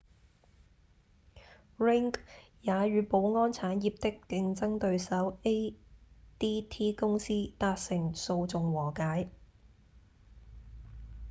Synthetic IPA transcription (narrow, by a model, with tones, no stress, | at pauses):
ɹɪ˥ŋkjaː˨˧ɥyː˨˧po˨˧˥wŋɔː˥nt͡sʰaː˨˥njiː˨˧p̚t̪ɪ˥kːɪ˧ŋt͡sɐ˥ŋt̪ɵ˧ɥsɐ˨˥we˥ | t̪iː˥t̪ʰiː˥kʊ˥ŋsiː˥t̪aː˧t̚sɪ˨˩ŋso˧wt͡sʊ˨ŋwɔː˨˩kaː˨˥j